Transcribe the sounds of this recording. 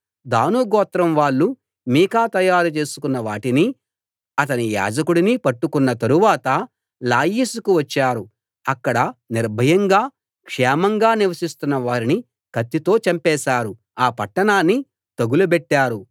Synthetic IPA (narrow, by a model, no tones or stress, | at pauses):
d̪aːnuɡɔːt̪ɾɐmʋaːɭːu | miːkaːt̪ɐjaːɾut͡ʃe̞ːsu̥kunːɐʋaːʈini | ɐt̪ɐnija̰ːd͡ʒɐkuɽinipɐʈːukunːɐt̪ɐɾuʋaːt̪ɐ | laːjiːsukuʋɐt͡ʃːaːɾu | ɐkːɐɽɐniɾbʱɐjɐŋɡaː | kʂɛːmɐŋɡaːniʋɐsist̪unːɐʋaːɾini | kɐt̪ːit̪o̞ːt͡ʃɐmpɛːsaːɾu | aːpɐʈːɐɳaːnːi | t̪ɐɡulubɛʈːaːɾu